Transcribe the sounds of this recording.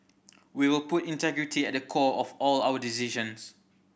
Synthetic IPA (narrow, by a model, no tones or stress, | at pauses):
wiwɪlputĩntɛɡɹitʰiɛt̚dəkʰɔɔfɔlaʊwədisiʒə̃ns